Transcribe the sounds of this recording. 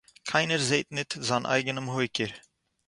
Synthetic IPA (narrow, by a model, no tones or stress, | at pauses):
kʰaɪnəɾzeːt̪nɪt̪zanʔa̰ɪɡənəmhojkɪɾ